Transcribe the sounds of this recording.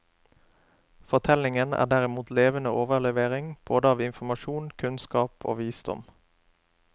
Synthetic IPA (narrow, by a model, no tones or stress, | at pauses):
fɔʁt̪ʰɛlɪŋənæ̰ːd̪æʁɪmuːt̪leːʋənəʔoːʋəlɛʋeːʁɪŋb̥oːd̪əɑːʋɪnfmɑʃuːnkʰʉnskɑːpʰo̰ːʋiːsd̪ɔ̰m